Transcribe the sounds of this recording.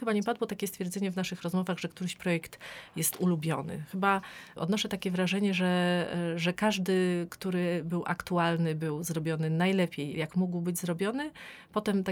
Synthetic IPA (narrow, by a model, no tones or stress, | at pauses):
xɘbaɲɛpad̪wɔt̪akʲɛst̪fʲjɛɾd̪zɛɲɛvnaʂɘxɾɔzmɔvaɣʐɛkt̪uɾɘɕpɾɔjɛkt̪jɛst̪ulubʲjɔnɘ̰xɘbaʔɔ̰d̪nɔʂɛt̪akʲɛvɾaʐɛɲɛʐɛʐɛkaʐd̪ɘkt̪uɾɘbɘwʔa̰kt̪ualnɘbɘwzɾɔbʲjɔnɘnajlɛpʲjejjakmuɡwbɘd͡ʑzɾɔbʲjɔnɘpɔt̪ɛmt̪a